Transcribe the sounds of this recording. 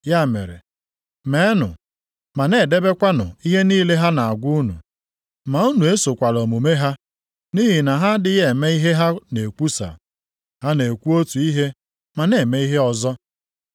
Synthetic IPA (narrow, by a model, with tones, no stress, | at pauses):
ja˦˨mḛ˨ɾḛ˨ | me˨˦nʊ̰˨ | ma˨ne˨de˦be˦kʷa˦nʊ̰˨i˦ɦe˦niː˦le˦ɦa˦na˨a˨ɡʷu˦u˦nṵ˨ | ma˨u˦nu˨e˦so˨kʷa˨lo˨mu˨me˦ɦa˦ | ni˦ɦi˨na˨ɦa˦dɪ˦je˨me˦i˦ɦe˦ɦa˦ne˨kʷu˦sa̰˨ | ɦa˦ne˨kʷu˦o˦tu˨i˦ɦe˦ | ma˨ne˨me˦i˦ɦe˦ɔ˨zɔ˦